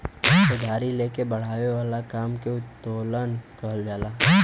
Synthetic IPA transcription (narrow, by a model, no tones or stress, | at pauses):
sʊd̪ʱaːɾileːkebɐɽ̤aːʋewaːlakaːmkeʊt̪ːoːlənkəɦld͡ʒaːlaː